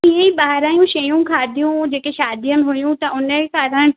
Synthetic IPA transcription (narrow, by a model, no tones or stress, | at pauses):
ĩːɦə̃ĩɓaːɾaːjũʃɐjũkʰaːd̪ʱijũd͡ʑeːkeʃaːd̪ijəmɪ̃ɦujũt̪ɐʔʊnəkaːɾəɽ̃